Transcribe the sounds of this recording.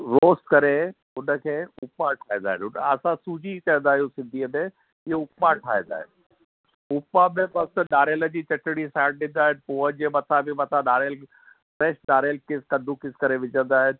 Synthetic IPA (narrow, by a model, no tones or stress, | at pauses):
ɾoːskɐɾe | ʊnə̆kʰeːʊpaʈʰaːĩnd̪aːɦɪnʊnɐsãsuːd͡ʑikɐjə̃nd̪aːɦijũsɪ̃nd̪ʱiːəmẽ | ɪɦoʊpmãʈʰaːɦẽnd̪a̰ːɦɪ̰n | ʊpamẽbɐsɗaːɾeːləd͡ʑiːt͡ɕɐʈɪɽisaːɖ̚ɗɪ̃n̆d̪aːɦɪnpoːəd͡ʑeːmɐt̪ʰabʱɪmɐt̪ʰãɗaːɾeːl | fɾɛːʃɗaːɾeːlkɪskɐ̃nd̪ʱukɪskɐɾeʋɪd͡ʑə̃nd̪aːɦɪnɪ̆